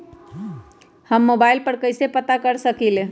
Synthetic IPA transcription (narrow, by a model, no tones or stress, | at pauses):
həmːobailpəɾkəɪsepət̪akəɾsəkile